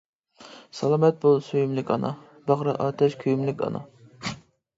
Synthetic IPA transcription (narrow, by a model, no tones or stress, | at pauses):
sɑlˠɑːmɛt̪̚bolˠsøjymlɪkʲɑ̰nɑ̰ | bɑʁɾɑʔɑːt̪ʰɛʃkʲʰyjymlɪkʲʰɑ̰nɑ̰